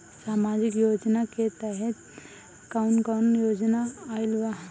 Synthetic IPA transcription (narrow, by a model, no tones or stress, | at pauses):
saːmaːd͡ʒɪkjoːd͡ʒnaket̪ɛɦɛt̪ | kaʊnkaʊnjoːd͡ʒnaaɪlʋaɦ